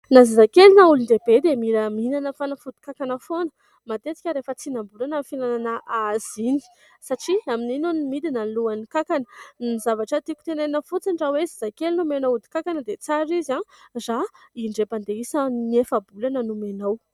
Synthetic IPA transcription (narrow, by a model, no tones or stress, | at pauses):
nazazakelinauluɳɖ͡ʐebed̪emiɾəminanəfanəfud̪i̥kakanəfonə | mat̪et͡s̪i̥kʲəɾefət͡sinambulanafinananəʔaz̥ini̥ | saʈ͡ʂiamininunimid̪inanluanikakanənizavaʈ͡ʂət̪iku̥t̪enenəfut͡siɳɖ͡ʐawezizakelinumenoud̪i̥kakanəd̪et͡saɾizazaiɳɖ͡ʐepand̪eisəniefabulanənumenow